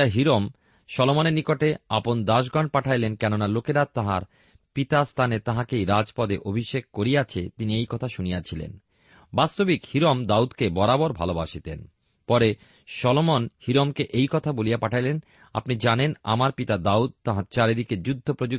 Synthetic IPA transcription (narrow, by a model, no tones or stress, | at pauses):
aɦiɾom | ʃɔlomoneɾnikoʈea̰pond̪aʃ̬ɡɔɳɖ̚paʈʰajlenkɛnonalokeɾat̪aɦa̰ɾ | pit̪ast̪ʰanet̪aɦakejɾad͡ʑpɔd̪eʔobʱiʃeɡ̚koɾijat͡ɕʰet̪iniejkɔt̪ʰaʃunijat͡ɕʰilḛn | bast̪obikhiɾomd̪aud̪kebɔɾabɔɾbʱa̰lobaʃit̪ḛn | pɔɾe | ʃɔlomonhiɾomkeʔejkɔt̪ʰabolijapaʈʰajlen | a̰pnid͡ʑanena̰maɾpit̪ad̪aud̪̚t̪aɦaɾt͡ɕaɾed̪iked͡ʑud̪ʱːopɾod͡ʑu